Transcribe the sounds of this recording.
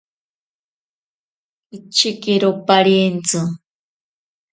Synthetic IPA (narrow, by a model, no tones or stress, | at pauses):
it͡ʃːikiɾopaɾjent͡sɨ